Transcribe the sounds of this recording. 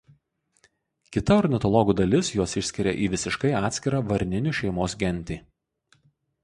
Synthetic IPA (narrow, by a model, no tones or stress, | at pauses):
kʲɪt̪ɐɔɾʲnʲɪt̪ɔlˠɔɡuːd̪ɐlʲɪsjuɔsɪʃʲsʲkʲɪɾʲɛ̰ʔiːʋʲɪsʲɪʃkɐɪɑːt̪sʲkʲɪɾɑʋɐɾʲnʲɪnʲuˑʃʲɛɪmoːsɡʲɛnʲt̪ʲiː